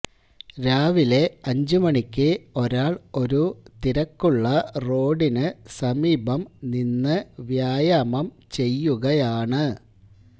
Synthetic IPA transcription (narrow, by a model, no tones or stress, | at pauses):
ɾaːʋile̞ɐɲd͡ʑumɐɳikʲːɨo̞ɾaːɭo̞ɾut̪iɾɐkːuɭːɐro̞ːɖinɨsɐmiːbɐmninːɨʋjaːjamɐm | t͡ɕe̞jːuɣɐjaːɳɨ